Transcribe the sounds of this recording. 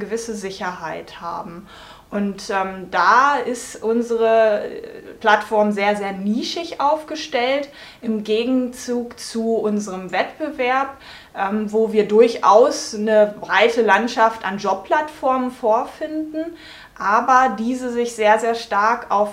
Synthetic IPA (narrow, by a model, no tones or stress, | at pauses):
ɡəvɪsəzɪçɐɦaɪtha̰ːbm̩ | ʔʊntʔɛːmd̥aːɪstʔʊnzəʁə | pl̥atfɔɐmzeːɐzeːɐniːʃɪçʔaʊfɡ̥əʃtɛlt | ʔɪmɡeːɡŋ̩t͡suːkt͡suʔʊnzəʁəmvɛtb̥əvɛɐp̚ | ʔɛːmvoːviːɐdʊɐçʔa̰ʊsnəbʁaɪtəlantʃafta̰nd͡ʒɔppʰl̥atfɔɐmənfoːɐfɪndn̩ | ʔaːbɐdiːzəzɪçz̥eːɐzeːɐʃtaɐka̰ʊf